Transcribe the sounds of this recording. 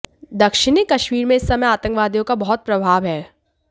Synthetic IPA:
d̪ɐkʃɪnikɐʃmiːɾmẽɪsːɐməjaːt̪ə̃ŋkʋaːd̪ijõkabɐɦɔt̪̚pɾɐbʱaːʋɦɛː

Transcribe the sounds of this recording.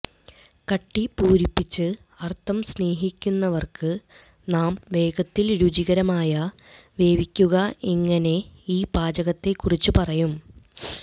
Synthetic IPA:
kɐʈːipuːɾipːit͡ɕːɨ | ɐrt̪ʰɐmsne̞ːɦikʲːunːɐʋɐrkɨ | naːmʋe̞ːɡɐt̪ːilɾud͡ʑiɣɐɾɐmaːjɐ | ʋe̞ːʋikʲːuɣɐeŋːɐne̞iːbaːd͡ʑɐɣɐt̪ːe̞kːurit͡ɕːupɐrɐjum

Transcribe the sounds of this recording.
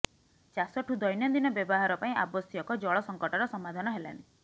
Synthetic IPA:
t͡ʃasɔʈʰud̪ɔjnjɔd̪inɔbjɔbɔɦaɾɔpaĩʔa̰bɔsijɔkɔd͡ʒɔɭɔsɔŋkɔʈɔɾɔsɔmad̪ʱanɔɦela̰ni

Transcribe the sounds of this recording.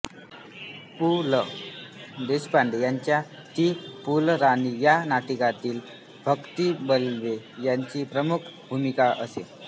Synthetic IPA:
pulə | d̪eɕpaɳɖejaɲt͡ɕja | t̪iːpulɾanijanaʈikat̪iːl | bʱəkt̪ibəlʋejaɲt͡ɕiːpɾəmukʰbʱumikaʔəse

